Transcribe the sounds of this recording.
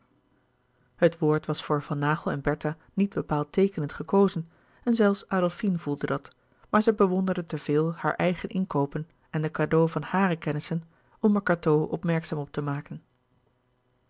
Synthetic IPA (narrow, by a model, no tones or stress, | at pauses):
ɦətʋoːɹtʋɑsfʊːɹvɑnːaːχəlˠɛnbɛɹta | nid̚bəpaːlˠtejkənəntχəkowzən | ɛnzɛlˠfsʔaːdɛlˠfinvulˠdədɑt | maːɹzɛjbəʋɔndəɹdətəv̥ɪːlˠhaːɹʔɛjχənʔɪnkowpən | ɛndəkaːdowvɑnhaːrəkɛnɪsən | ɔməɹkatowʔɔ̰pmɛɹksaːmɔp̚təmaːkən